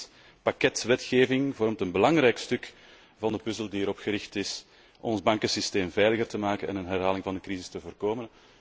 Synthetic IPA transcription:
pakɛtʋɛtxeːvɪŋvɔɾmtənbəlɑŋɾɛjkstɵk | vɑndəpɵzəlˠdiəɾɔpxəɾɪxtɪs | ʔɔnzbɑŋkəsisteːmvɛːjləɣərtəmaːkənɛ̰nənɦɛrɦaːlɪŋvɑndəkɾizɪstəvoːrkoːmən

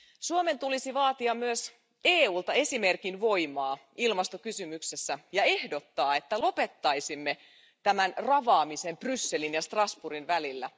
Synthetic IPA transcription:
suome̞nt̪ulisiʋɑːt̪iɑmyøs | eːuːlt̪ɑe̞sime̞rkinʋo̞jmɑː | ilmɑst̪o̞kysymykse̞sːæjɑe̞hdo̞t̪ːɑːe̞t̪ːælo̞pe̞t̪ːɑjsimːe | t̪æmænrɑʋɑːmise̞mprysːe̞linjɑst̪rɑsburinʋælilːæ

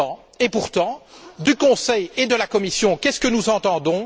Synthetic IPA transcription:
ɑ̃ | epuʁt̪ɑ̃d̪ykɔ̃sɛjed̪əlakɔmisjɔ̃kʲɛskənuzɑ̃t̪ɑ̃d̪ɔ̃

